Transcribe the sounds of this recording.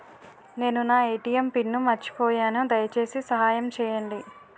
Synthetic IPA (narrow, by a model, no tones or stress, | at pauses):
ne̞ːnunaːejʈijɐmpinːumɐt͡ʃːi̥pɔːjaːnud̪ɐjɐt͡ʃe̞ːsisɐɦaːjɐmt͡ʃɛːjɐɳɖi